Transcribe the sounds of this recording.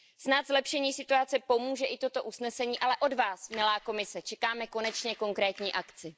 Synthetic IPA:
snat̪zlɛpʃɛɲiːsɪt̪uat͡sɛpo̞muːʒɛʔɪt̪o̞t̪o̞ʔusnɛsɛɲiːʔalɛʔo̞dvaːsmɪlaːko̞mɪsɛt͡ʃɛkaːmɛko̞nɛt͡ʃɲɛko̞ŋkɾɛːt̪ɲiːʔakt͡sɪ

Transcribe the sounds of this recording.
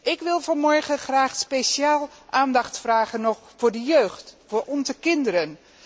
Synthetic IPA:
ʔɪkʋɪlˠvɑnmɔɹχəχraːxspesjaːlˠʔaːndɑxtfraːɣənːɔxfʊːɹdəjøːxtfʊːɹɔnzəkɪndəɾən

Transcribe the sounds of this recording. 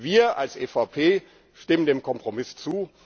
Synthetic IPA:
viːɐʔalsʔefaʊpʰeː | ʃtɪməndeːmkʰɔmpʁ̥omɪst͡suː

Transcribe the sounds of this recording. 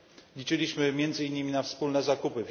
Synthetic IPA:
lʲit͡ʂɘlʲiɕmɘmʲjɛnd̪zɘinːɘmʲinafspulnɛzakupɘv

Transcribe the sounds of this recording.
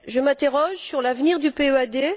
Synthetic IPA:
ʒəmɛ̃t̪eʁɔʒsyʁlavniʁd̪ypeøad̪e

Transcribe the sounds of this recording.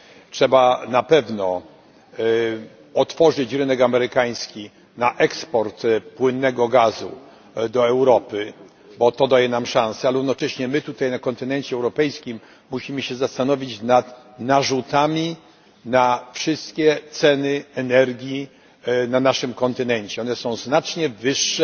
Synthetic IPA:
tʂɛbanapɛvnɔ | ɔt̪fɔʐɘt͡ɕɾɘnɛkamɛɾɘkaj̃skʲi | naʔɛkspɔɾt̪pwɘnːɛɡɔɡazṵ | d̪ɔɛwɾɔpɘ | bɔt̪ɔd̪ajɛnamʂãñsɛalɾuvnɔt͡ʂɛɕɲɛmɘt̪ut̪ajnakɔnt̪ɘnɛɲt͡ɕɛɛwɾɔpɛjskʲimː | uɕimɘɕɛzast̪anɔvʲit͡ɕnat̪ | naʐut̪amʲi | nafʂɘst̪kʲɛt̪sɛnɘɛnɛɾɡʲji | nanaʂɘmkɔnt̪ɘnɛɲt͡ɕɛɔnɛsɔ̃w̃znat͡ʂɲɛvɘʂːɛ

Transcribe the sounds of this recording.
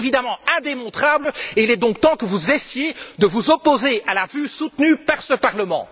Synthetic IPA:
vid̪amɑ̃ɛ̃d̪emɔ̃t̪χabləeilɛd̪ɔ̃k̚t̪ɑ̃kəvuzɛsjed̪əvuzɔpozealavysut̪nypaʁsəpaʁləmɑ̰̃

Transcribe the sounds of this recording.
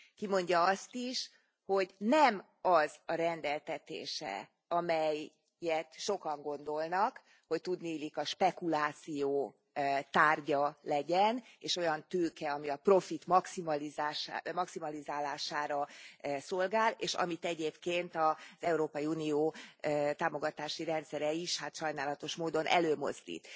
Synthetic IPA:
kimo̞ɲɟɒɒst̪iʃ | ho̞ɟnɛm | ɒzɒɾɛnd̪ɛlt̪ɛt̪ḛːʃɛ̰ | ɒmɛjː | ɛt̪ʃo̞kɒŋɡo̞nd̪o̞lnɒk | ho̞ct̪ud̪niːlikɒʃpɛkulaːt̪sijoː | t̪aːrɟɒlɛɟɛneːʃo̞jɒnt̪øːkɛɒmiɒpro̞fit̪mɒksimɒlizaːʃmɒksimɒlizaːlaːʃaːɾɒso̞lɡaːleːʃɒ̰mit̪ɛɟeːpkeːnt̪ɒz̥ɛuɾoːpɒjiuːnijoːt̪aːmo̞ɡɒt̪aːʃiɾɛnt̪sɛɾɛiʃhat̪ʃɒjnaːlɒt̪o̞ʃmoːd̪o̞nʔɛ̰løːmo̞̰zd̪ḭːt̪

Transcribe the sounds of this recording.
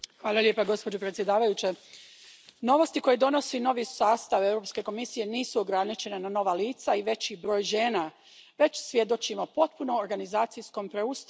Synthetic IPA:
xʋaːlˠaljepaɡo̞spo̞d͡ʑopɾet̪sjed̪aːʋajut͡ɕe | no̞ʋo̞st̪iko̞jed̪o̞no̞sino̞ʋisaːst̪aʋe̞wɾo̞pske̞ko̞misije̞niːsuoɡɾanit͡ɕe̞nenano̞ʋaliːt̪saiʋe̞t͡ɕibɾo̞ːjʒe̞ːna | ʋe̞t͡ɕsʋje̞d̪o̞t͡ɕimopo̞t̪̚puno̞ːɾɡanizaːt̪sijsko̞mpɾeust̪

